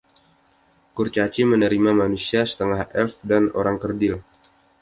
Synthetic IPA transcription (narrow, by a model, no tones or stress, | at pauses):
kurt͡ʃat͡ʃimənəɾimamanusiasə̥t̪əŋahɛfdanʔo̰ɾaŋkərdɪl